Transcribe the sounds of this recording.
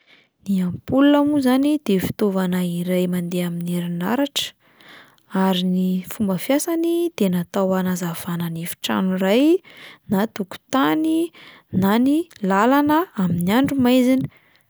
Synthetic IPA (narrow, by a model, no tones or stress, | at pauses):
niampuluamuzanid̪̥efi̥t̪ovanaiɾajmand̪eamineɾina̰ɾaʈ͡ʂə̥ | aɾinifumbəfjasanid̪̥enat̪awanazav̥ananefi̥ʈ͡ʂa̰nurajnat̪uku̥t̪ani | nanilalanəaminiaɳɖ͡ʐumajzini̥